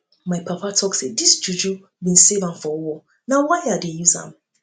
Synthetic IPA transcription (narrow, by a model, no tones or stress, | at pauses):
maɪpʰapʰatʰɔksedisd͡ʒud͡ʒu | bĩnsevãmfɔwɔ | nawaɪadejuzã̰m